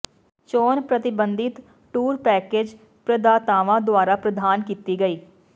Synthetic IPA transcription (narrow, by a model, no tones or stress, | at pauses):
t͡ʃɔːnpɾət̪ɪbənd̪ɪt̪ | ʈuːɾpɛːkeːd͡ʒ | pɾəd̪aːt̪aːʋãːd̪ʊaːɾaːpɾəd̪aːnkiːt̪iːɡəiː